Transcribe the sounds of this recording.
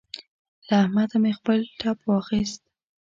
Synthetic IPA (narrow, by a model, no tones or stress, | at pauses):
laːhmad̪amexpəlʈʰɑpwɑxist̪̚